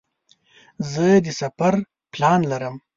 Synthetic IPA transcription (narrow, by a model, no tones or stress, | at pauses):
zəd̪əsafaɾ | plɑnlaɾəm